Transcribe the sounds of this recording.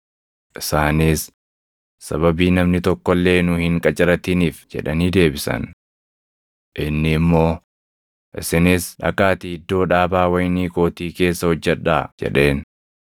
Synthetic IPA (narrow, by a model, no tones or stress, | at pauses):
ʔɪsaːniːsː | ɐβɐbiːnɐmnɪt̪ɔkːɔlːe̞ːnʊhɪŋkʼɐt͡ʃʼɪɾɐt̪iniːfd͡ʒɛ̰ᶑɐniːd̪e̞ːbɪsɐ̰n | ʔɪnːɪːmːo̞ː | ʔɪ̰sɪnɪsᶑɐ̰kaːt̪iɪd̪ːo̞ːᶑaːbaːwɐjniːko̞ːt̪iːke̞ːsːɐhɔd͡ʒːɛᶑaːd͡ʒɛ̰ᶑe̞ːn